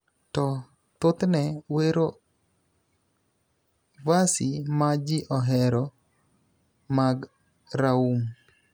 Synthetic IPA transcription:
tɔ | t̪ʊt̪nɛweɾo | vasimad͡ʒiʔɔɦɛɾɔ | maɡ | ɾaum

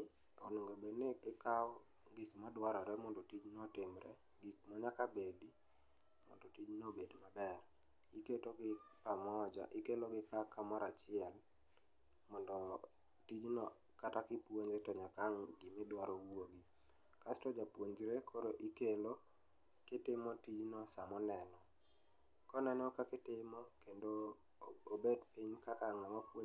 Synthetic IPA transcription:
oneŋɡobenɪɪkaw | ɡikmadwaɾɔɾɛmɔndɔtid͡ʒnɔtɪmɾɛ̰ | ɡik̚maɲakabedi | mɔ̰ndɔtid͡ʒnobedmabɛr | iketoɡɪpamɔd͡ʒa̰ʔɪkeloɡɪkakamaɾat͡ʃɪɛl | mɔndɔ | tid͡ʒnɔ | katakɪpwoɲɾetɔɲakaŋɡɪmɪdwaɾowwoɡi | kastɔd͡ʒapwoɲd͡ʒɾekʰoɾoʔikelo | kɪtɪmotid͡ʒnɔsamɔnɛnɔ | kɔnɛnɔkakɪtɪmokendo | obedpiɲkakaŋamapwo

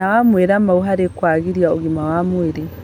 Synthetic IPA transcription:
awamweɾamauɦaɾekwaːɣiɾjaoɣimawamweɾe

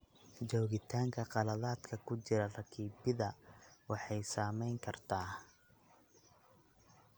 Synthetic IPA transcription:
d͡ʒɔːɣɪt̪ʰaːŋkʰɐqɑlɐðaːd̪kʰɐkʰʊt͡ʃɪɾɐrɐkʰiːbɪðɐwɑħɑjsaːmɛjŋkʰɐrt̪ʰaː

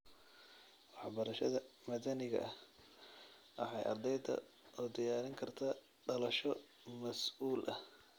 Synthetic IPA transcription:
wɑħbɐɾɐʃɐðɐmɐðɐnɪɣɐ̰ʔɐh | ʔɑħɑjʔɐ̰rd̪ɛjd̪ɐ̰ | ɔːd̪ɐjaːɾɪŋkʰɐrt̪ʰaː | ɖɐlɐʃɔ | mɐsuːlʔɐh

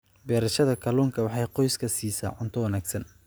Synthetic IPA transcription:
bɛːɾɐʃɐðɐkʰɐluːŋkʰɐwɑħɑjqɔjskʰɐsiːsa̰ːʕʊnt̪ʰɔwɐnaːɡsɐn

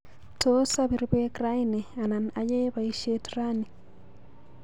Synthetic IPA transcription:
tʰosaβiɾiβekɾaineananajeβaiʃetiɾani

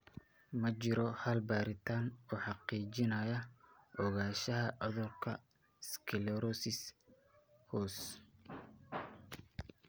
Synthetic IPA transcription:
mɐt͡ʃɪɾɔhɐlbaːɾɪt̪ʰaːnuːħɑqiːt͡ʃɪnɐjɐʔɔɣaːʃɐɦɐʔɔðʊrkʰɐ | skʰɪlɛɾɔsɪs | hɔːs

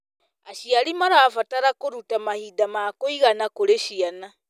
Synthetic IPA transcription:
aʃiaɾimaɾaːfataɾakoɾutamahidamakoiɣanakoɾeʃiana

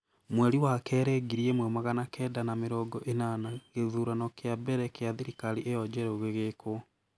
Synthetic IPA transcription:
mwɛɾiwakɛːɾɛɡiɾiɛmwɛmaɣanakʰɛːdanameɾɔːɡɔʔenanaɣeðuɾanɔkeabɛɾɛkeaðiɾikaliʔeɔd͡ʒɛɾoɣeɣeko

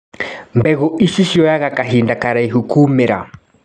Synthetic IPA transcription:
mbɛɣoʔiʃiʃiɔjaɣakaɦindakaɾaiɦukuːmeɾa̰

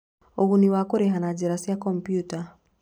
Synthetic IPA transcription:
oɣuniwakoɾeɦanad͡ʒɛɾasjakɔmpjuta

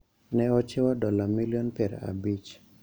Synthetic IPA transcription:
nɛɔt͡ʃɛwadɔlamiliɔnpɛɾɛ̰a̰bit͡ʃ

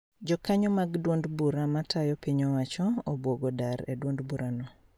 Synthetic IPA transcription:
d͡ʒɔkaɲɔmaɡdwondbuɾamatʰajɔpiɲɔwat͡ʃɔobwoɡodaɾedwondbuɾanɔ

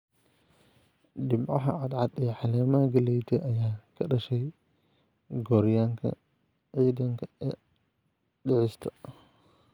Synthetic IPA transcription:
ɗɪmʕɑɦɐ̰ʕɑd̪ʕɑd̪ɛːħɑlɛːmaɡɐlɛjt̪ʰɛʔɐjaːkʰɐɗɐʃɛj | ɡɔːɾɪjaːŋkʰɐ̰ | ʕiːðɐŋkʰɐ̥ | ɗɪʕɪst̪ʰɐ̥

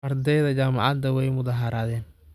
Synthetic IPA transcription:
ɐrd̪ɛjðɐt͡ʃaːmɑ̰ʕɑd̪ɐwɛjmʊðɑɦɐɾaːðɛːn

